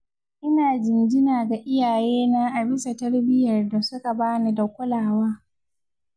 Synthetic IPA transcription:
ʔɪ˦naː˨d͡ʒɪ˨nd͡ʒɪ˦naː˨ɡa˨ʔɪ˦jaː˨jeː˦naː˦ʔa˨bɪ˦sa˨tɐ˦rbɪ˦jɐ˨rda˨sʊ˦ka˨baː˦na˨da˨kʷʊ˦laː˨waː˦

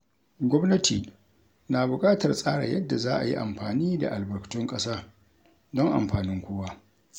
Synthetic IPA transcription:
ɡʷɔ˦mnɐ˦tʰiː˨ | naː˨bʊ˨kʼaː˦tɐ˨rsʼaː˦ɽa̰˨jɐ˦dːa˨zaː˦ʔa˨ji˦ʔa̰˨mɸaː˨niː˦da̰˨ʔa˨lbɐ˨rktʊ˦ŋkʼɐ˦saː˦ | dɔ˦ŋʔa̰˨mɸaː˨nɪ˦ŋkʷʊː˦waː˦

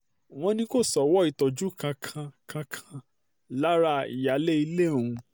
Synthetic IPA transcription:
w̃ɔ̃˧nĩ˧ko˦˨sɔ˨wɔ˨˦i˦˨tɔ˨d͡ʒu˦kʰã˧kʰã˧kʰã˧kʰã˧ | la˦ɾa˦˨ḭ˨ja˨˦le˦i˧le˦˨ũ˧

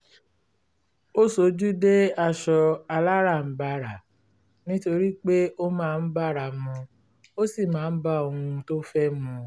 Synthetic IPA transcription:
o˦so˨˧˦d͡ʒu˦de˦a˧ʃɔ˧a˧la˦ɾa˦˨m̩˨ba˧ɾa˨ | nĩ˦to˧ɾi˦k͡pe˦o˦mãː˦˧n̩˦ba˦˨ɾa˨mɔ̃˧ | o˦si˦˨mãː˨˦n̩˦ba˦o˧hũ˧to˦fɛ˦mũ˧

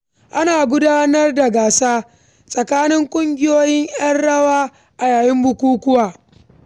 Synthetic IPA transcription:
ʔa˦naː˨ɡʷʊ˦daː˦nɐ˦rda˨ɡaː˨saː˦ | sʼɐ˨kaː˦nɪ˦ŋkʷʼʊ˦ŋɡʲɪ˦joː˦jɪ˦ɲj̰ɐ˦nɽɐ˦waː˦ | ʔa˨jaː˨jɪ˦mbʊ˦kʷuː˦kʷʊ˦waː˨

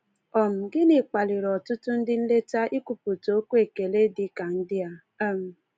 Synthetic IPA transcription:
ɔ˨m̩˨ɡɪ˦nɪ˨k͡pa˨lɪ˨ɾɔ˨tʊ˦tʊ˦n̩˦dɪ˦n̩˦le˦ta˦ʔi˦ku˨pu˨to˦kʷu˦e˨ke˨le˦dɪ˦ka˨n̩˦dɪ˦a˨ | a˦m̩˨

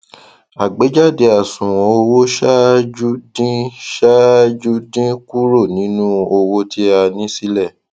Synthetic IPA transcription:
a˨ɡ͡be˨˦d͡ʒa˦˨de˨˧a˨sũ˨w̃ɔ̃˨˦o˧wo˦ʃa˦d͡ʒu˦dĩ˦ʃa˦d͡ʒu˦dĩ˦ku˦ɾo˦˨nĩ˨˦nũ˦o˧wo˦tʰi˦a˧nĩ˦si˦lɛ˦˨

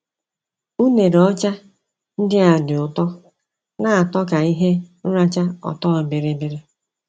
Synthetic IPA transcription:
u˦ne˨ɾɔ˦t͡ʃa˦ | n̩˦dɪ˦a˨dɪ˨ʊ˨tɔ˦ | na˦a˨tɔ˦ka˨i˦ɦe˦n̩˦ɾa˦t͡ʃa˦ɔ̰˨tɔ˦˨bɪ˨ɾe˨bɪ˦ɾe˦

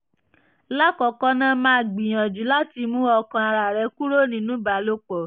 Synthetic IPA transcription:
la˦kɔ˨kɔ˦nã˦mãː˦˨ɡ͡bĩ˨j̃ã˨d͡ʒu˨˦la˦ti˧mũ˦ɔ˧kã˧a˧ɾa˨ɾɛ˧ku˦ɾo˦˨nĩ˨˦nũ˦ba˨˦lo˦k͡pɔ˨

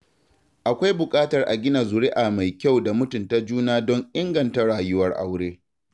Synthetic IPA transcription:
ʔa˨kʷa˦jbʊ˨kʼaː˦tɐ˨rʔa̰˨ɡʲɪ˦na˨zʊ˨ɽe˦ʔa˨ma˨jkʲa˦˨wda˨mʊ˦tʊ˨nta˦d͡ʒuː˦naː˦dɔ˦ŋʔɪ˦ŋɡɐ˨nta˦ɽaː˨jʊ˦wɐ˦rʔa̰˦wɽeː˦

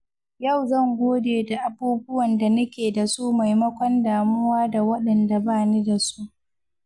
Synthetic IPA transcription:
jɐ˦˨wzɐ˦˨ŋɡʷoː˦deː˨da˨ʔa˨buː˦bʊ˦wɐ˨nda˨nɐ˦kʲeː˨da˨su˦ma˨jmɐ˦kʷɔ˦ndaː˨mʊ˦waː˦da˨wɐ˦ɗɐ˨nda˨baː˦˨ni˦da˨su˦ʔ

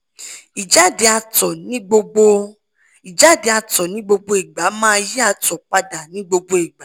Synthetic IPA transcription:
i˨d͡ʒa˦de˨˧a˧tɔ˨nĩ˨˦ɡ͡bo˧ɡ͡bo˧ | i˨d͡ʒa˨˦˨de˨˧˦a˧tɔ˨nĩ˨˦ɡ͡bo˧ɡ͡bo˧i˨ɡ͡ba˨˦mãː˦ji˦a˦˧tɔ˨k͡pa˧da˨nĩ˨˦ɡ͡bo˧ɡ͡bo˧i˨ɡ͡ba˨˦

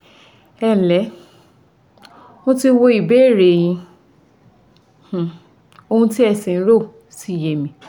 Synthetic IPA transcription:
ɛ˦˨lɛ˨˦ | wõ˦ti˧˦wo˧i˨be˨˦˨ɾe˨j̃ĩ˧ | h̩˨ | o˧ũ˧ti˦ɛ˦˧˨sĩ˨˦ɾo˦˨ | si˦˨je˨mĩ˧

